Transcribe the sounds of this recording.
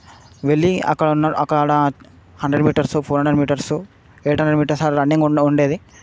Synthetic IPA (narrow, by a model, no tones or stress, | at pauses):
ʋeɭːiɐ̰kːɐɭnːɐɐkːɐɭaːɽɐ | hɐɳɖɾeɖmiːʈɐɾsupʰoːɾɦɐɳɖɾeɖmiːʈɐɾsu | eːʈɦɐɳɖeɖmiːʈɐɾsaːɾɾɐɳːeŋɡuɳɖeːd̪i